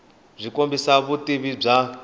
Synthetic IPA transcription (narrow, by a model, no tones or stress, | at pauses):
b͡ʐʷikombisaβutʼiβib͡ʐa